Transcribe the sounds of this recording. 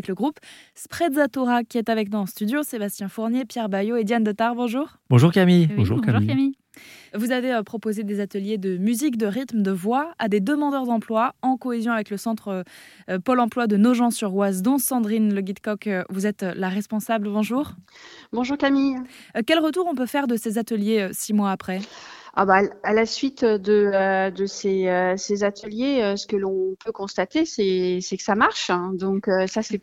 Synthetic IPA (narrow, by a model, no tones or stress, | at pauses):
ɛkləɡʁupspχɛd̪zat̪oʁakʲiɛt̪avɛknuɑ̃st̪yd̪josebast̪jɛ̃fuʁnjepjɛʁbajoed̪jand̪ət̪aʁbɔ̃ʒuːʁb̥ɔ̃ʒuʁkamĩʒuʒuami | vuzaveøpχɔpozed̪ezat̪əljed̪əmyzikd̪əʁit̪məd̪əvwaad̪ed̪əmɑ̃d̪œʁd̪ɑ̃plwaɑ̃kɔezjɔ̃avɛkləsɑ̃t̪χ | pɔlɑ̃plwad̪ənoʒɑ̃syʁwazd̪ɔ̃sɑ̃d̪ʁinləɡʲid̪kɔkvuzɛt̪laʁɛspɔ̃sabləbɔ̃ʒuːʁbɔ̃ʒuʁkamij | kʲɛlʁət̪uʁɔ̃pøfɛʁd̪əsezat̪əljeøsimwaːpχɛa̰baalasɥit̪d̪əd̪əseøsezat̪ʰəljeøsə̥kəlɔ̃pʰøkɔ̃st̪at̪esɛsɛkə̥samaʁʃd̪ɔ̃køsasɛ